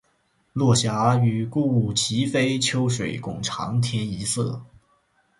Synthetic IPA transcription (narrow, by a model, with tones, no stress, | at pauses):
lwɔ˥˩ɕja˧˥y˨˩ku˥˧u˥˩t͡ɕʰi˧˥fe˥ɪt͡ɕʰjo˥ʊʂwe˨˩ɪkʊ˨˩ŋʈ͡ʂʰɑ̰˧˥ŋt̪ʰjɛ˥ni˧˥sɤ̰˥˩